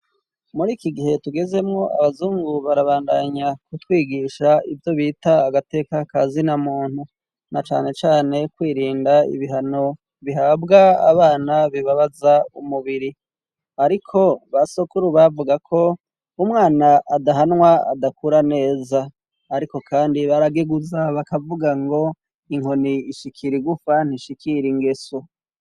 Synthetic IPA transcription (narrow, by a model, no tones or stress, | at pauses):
muɾiːkiɡiɦe̞tuɡe̞ze̞mŋo̞ʔa̰βazuːŋɡuβaɾaβaːndaɲakutwiːɡiʃaivjo̞βiːtaːɡate̞ːkakazinamuːn̥hu | nat͡ʃa̰ːne̞t͡ʃaːne̞kwiːɾiːndaḭβiɦano̞ | βiɦaːbɡaa̰βaːnaβiβaβazaumuβiɾi | aɾikʰo̞βasokuɾuβavuɡakʰo̞ | umŋaːnaʔːdaɦanŋwaa̰dakʰuɾane̞ːzaː | ɾiko̞kʰaːndiβaɾaɡeɡuzaβakavuɡaŋɡo̞ | iŋo̞niːʃikʰiɾiɡufan̥iʃikʰiɾiŋɡe̞so